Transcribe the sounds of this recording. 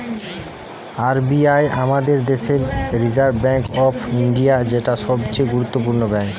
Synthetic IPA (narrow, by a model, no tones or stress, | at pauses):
aɾbiajamad̪eɾd̪eʃelɾid͡ʑaɾbbɛŋkɔpʰiɳɖijad͡ʑeʈaʃɔbt͡ɕeɡuɾut̪ːop̬uɾnobɛŋk